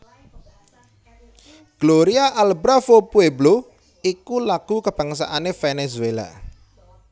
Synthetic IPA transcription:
ɡ̥loɾiaʔalbɾafopueblo | ikulaɡ̥ṳkəb̥ä̤ŋs̬a̰ʔanefenezuela̰

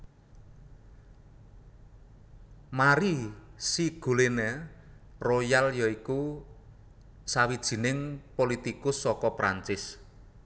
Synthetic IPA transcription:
maɾisiɡ̥ṳlene | rojaljɔiku | sawid̥ʒ̥i̤nɪŋpolit̪ikʊsːɔkɔpɾa̰ɲt͡ʃɪs

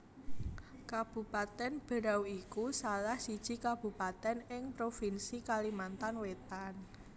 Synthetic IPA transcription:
kab̥ṳpat̪ɛnb̥ə̤ɾawikusalahsid̥ʒ̥i̤kab̥ṳpat̪ɛnɪŋpɾofinsikalimant̪anwet̪an

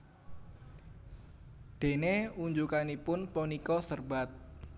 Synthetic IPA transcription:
d̪̥e̤neuɲd͡ʒukanipʊnponikɔsərba̤t̪̚

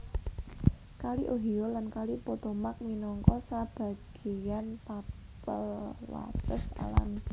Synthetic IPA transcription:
kaliʔoɦiolankalipot̪omak̚minɔŋkɔsab̥a̤ɡ̥ejanpa | pəlla̰t̪əsa̰la̰n

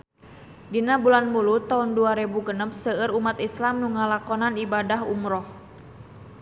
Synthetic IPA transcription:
dinabulanmulut̪aunduaɾebuɡənəp̚səəɾumat̪islamnuŋalakɔnanibadaɦṵmɾɔh

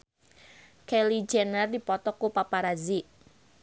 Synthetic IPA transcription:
kelid͡ʒɛnərd̪ipɔt̪ɔkupapaɾazi

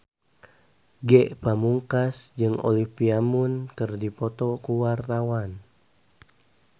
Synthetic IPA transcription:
ɡɛʔpamuŋkasd͡ʒɨŋʔo̰lihpiamunkɨrdipɔt̪ɔkuwart̪awan

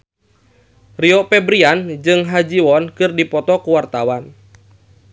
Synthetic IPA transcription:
riɔpɛbɾiand͡ʒɨŋɦad͡ʒiwɔnkɨrdipɔt̪ɔkuwart̪awan

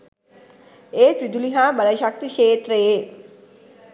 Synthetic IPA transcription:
eːt̪ɾid̪uliɦaːbələʃak̚t̪iʃeːt̪ɾeje

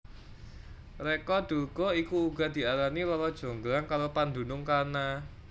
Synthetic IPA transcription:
rekɔd̪̥o̤ɡ̥ɔikuːɡa̤d̪̥i̤aɾanilɔlɔd̥ʒ̥o̤ŋɡlaŋkaɾopand̪ṳnʊŋkana

